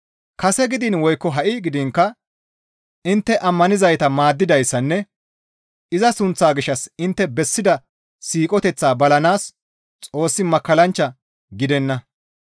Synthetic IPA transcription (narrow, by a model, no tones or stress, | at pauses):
kɐsɛɡɪd̪ɪnwɔjkːɔɦɐʔɪɡɪd̪ɪŋkːɐ | ʔɪnt̪ːɛʔɐmːɐnɪzɐjt̪ɐmaːd̪ːɪd̪ɐjsːɐnːɛ | ʔɪzɐsʊnt͡sːaːɡɪʃːɐsɪnt̪ːɛbɛsːɪd̪ɐ | siːkʼɔt̪ɛt͡sːaːbɐlɐnaːs | t͡sʼo̞ːsːɪmɐkːɐlɐnt͡ʃːɐ | ɡɪd̪ɛnːɐ